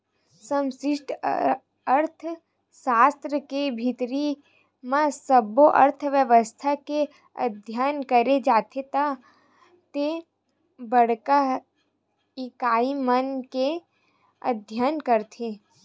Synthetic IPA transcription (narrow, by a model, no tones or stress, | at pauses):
sə̃msɪʃʈʰ | əɾt̪ʰ | saːst̪ɾəkebʱɪt̪ɾi | mãsəboʔə̰ɾt̪ʰʋjəʋəst̪ʰake | ə̰d̪ʱjaːnkəɾed͡ʒaːt̪ʰet̪a | t̪e | bəɽka | ɪkaːimənke | ə̰d̪ʱjaːnkəɾt̪ʰe